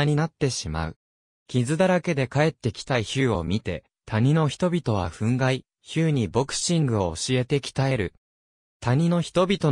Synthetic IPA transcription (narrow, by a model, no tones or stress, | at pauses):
ɲ̟inat̪ːe̞ɕima̰ɯ̟̰ | kʲizɨd̪aɾake̞d̪e̞kae̞t̪ːe̞kʲi̥t̪aiçɨːo̞̰mʲit̪e̞̰ | t̪ʰaɲ̟ino̞çi̥t̪o̞bʲit̪o̞β̞aɸɯ̟̃ŋɡai | çɨːɲ̟ibo̞kɯ̟̥ɕĩŋɡɯ̟o̞ːɕie̞t̪e̞kʲi̥t̪ae̞ɾɯ̟ | t̪aɲ̟ino̞çi̥t̪o̞bʲit̪o̞